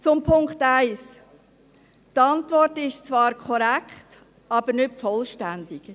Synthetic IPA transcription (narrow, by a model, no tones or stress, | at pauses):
t͡sʊmpʰʊŋkχtæɪs | tɑntvɔrtɪʃt͡svɑːɾkʰɔɾækχt | ɑb̥ənʏtfɔlʃtændɪɡ